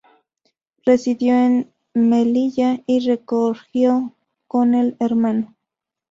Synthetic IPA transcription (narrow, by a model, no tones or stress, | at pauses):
resiðjoen | meliʎairekoɾxjo | koneleɾmano